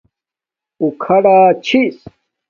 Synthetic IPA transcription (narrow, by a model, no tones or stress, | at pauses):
ukʰɐɽaːt͡ɕʰis